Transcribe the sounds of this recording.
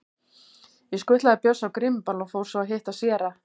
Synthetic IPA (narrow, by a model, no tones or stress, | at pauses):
jɪskʏht̪laðapjœsːawkɾɪmpalɔfoːwɾ̥sɔaɦeht̪asjɛːɾa